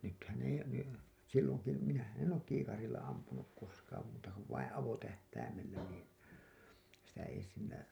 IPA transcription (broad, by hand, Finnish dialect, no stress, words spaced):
nythæn ei ne silːoŋ ku minæhæn en oːk kiːkɑrilˑɑ ɑmpunuk koskɑːm muːtɑ ko ʋɑĩː ɑʋotæhtæimellæ niːn̞ sitæ ei silːæ